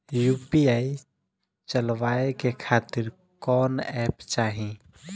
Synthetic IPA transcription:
jupiai | t͡ʃəlwaekekʰat̪ɪɾ | kɔːnɛpt͡ʃaːɦĩ

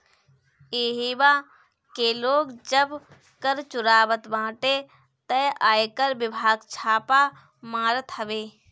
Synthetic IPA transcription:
eːɦiʋaː | keːloːɡd͡ʒəb | kəɾt͡ʃʊɾaːʋət̪ʋãːʈe | t̪əʔaːekəɾʋɪbʱaːɡt͡ʃʰaːpa | maːɾət̪ɦəʋeː

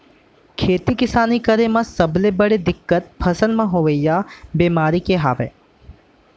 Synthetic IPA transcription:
kʰeːt̪ikɪsaːnikəɾemãsɐblebəɽed̪ɪkːət̪̚pʰɐsənmãɦoːʋəijabeːmaːɾikeɦaːʋḛː

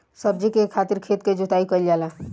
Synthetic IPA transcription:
səb̚d͡ʒikekʰat̪iɾkʰet̪ked͡ʒut̪aikəiljala

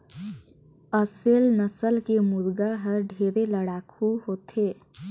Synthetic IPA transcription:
əselnəsəlkemʊɾɡaɦəɾɖʱeːɾeləɽaːkʰuɦoːt̪eː

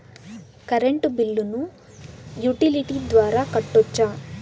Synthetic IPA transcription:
kɐɾeɳʈubilːunu | juʈiliʈiːd̪ʋaːɾaːkɐʈːɔt͡ʃːaː

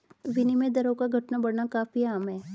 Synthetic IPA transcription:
ʋɪnimẽd̪ɐɾokaɡʱɐʈnabɐɽnakaːfiaːmɦɛː

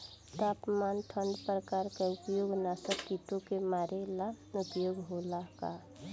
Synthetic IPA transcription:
t̪aːpmaːnʈʰəɳɖpɾəkaɾkeʊpjoːɡnasəkkiʈ̪õkemaːɾelanʊpjoːɡɦolaka

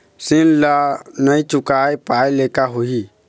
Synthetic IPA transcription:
sĩnlanãit͡ʃukaipalekaɦohi

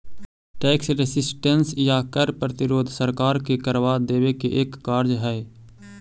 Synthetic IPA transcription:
ʈɛːksɾesɪsʈənsjakəɾpɾət̪ɪɾoːd̪ʱsəɾkaːɾkekəɾʋad̪eːʋekeʔeːkːaːɾd͡ʒɦɛː

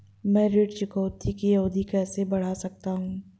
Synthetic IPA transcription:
mɛ̃ːɾeːʈt͡ʃɪkoːt̪ʰikijɐɦuːd̪ikɛːsebɐɽ̤asɐk̚t̪aɦũː

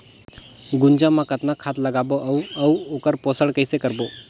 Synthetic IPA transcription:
ɡund͡ʑamãkət̪nakʰat̪ləɡaboʔəwəwokəɾpɔsəɽkəjsekəɾbo

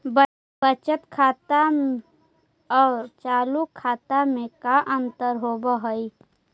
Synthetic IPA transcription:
b | bət͡ʃət̪kʰaːt̪a | ɔːɾt͡ʃaːlukʰːaːt̪amẽkaʔə̃nt̪əɾɦoːbəɦoi

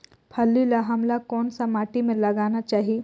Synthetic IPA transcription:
pʰɐlːilaɦɐmlakɔːnsamaːʈimẽlɐɡaːnat͡ʃaːɦie

